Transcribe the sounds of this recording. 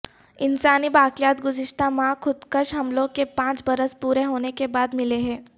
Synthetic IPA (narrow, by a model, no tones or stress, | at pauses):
ɪnsaːnibaːkljaːt̪ɡʊzɪʃt̪amãkʰʊd̪kəʃɦɐmlõkepãːt͡ʃbɐɾəspuːɾeɦoːnekebaːd̪mɪleɦɛ̃ː